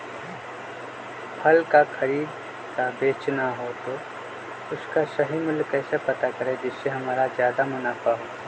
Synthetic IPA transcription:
pʰɐlkakʰɐɾiːd̪ | kabeːt͡ʃnaɦot̪o | ʊskasɐɦimʊlkɛːsepɐt̪akəɾed͡ʒɪsseɦɐmaːɾazjaːd̪amʊnaːfaɦoː

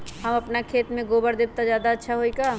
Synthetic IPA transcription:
hɐmɐpnakʰeːt̪mẽɡoːbəɾd̪ɪb̚t̪azjaːd̪aɐtːʃʰaɦoikaː

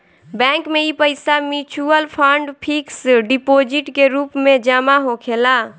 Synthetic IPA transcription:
bɛ̃ŋkmeipəɪsamit͡ʃuəlpʰəɳɖpʰiksɖipod͡ʒiʈkeɾuːpmẽd͡ʒəmaɦokʰela

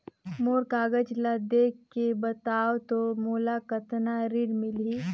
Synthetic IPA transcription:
moːɾkaːɡəd͡ʒlad̪eːkʰːebət̪aːwt̪omoːlakət̪naɾiɽmɪli

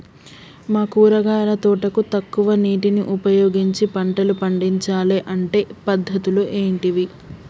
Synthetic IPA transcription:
maːkuːɾɐɡaːɾɐt̪ɔːʈɐkut̪ɐkːuʋɐniːʈiniʔupɐjoːɡiɲt͡ʃipɐɳʈɐlupɐɳɖiɲt͡ʃaːleʔɐɳʈe̞ːpɐd̪ʱːɐt̪uluʔe̞ːɳʈiʋi

